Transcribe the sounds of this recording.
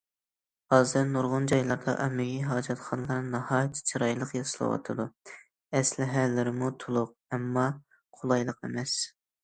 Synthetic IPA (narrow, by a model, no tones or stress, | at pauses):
hɑːzɛɾnuɾʁʊnd͡ʒɑjlˠɑɾd̪ɑ̰ʔɛmɪɡʲiɦɑːd͡ʒɑt̪χɑnlˠɑɾnɨnɑhɑːjt̪ʰːɪ̥t͡ʃʰɑɾɑjlˠəqjɑsɨlˠɨ̰wɑ̰t̪ʰɨd̪u | ɛslɪɦælːɪɾɪmut̪ʰulˠʊq̚ɛmːɑ | qʰʊlˠɑjlˠəqḛmɛs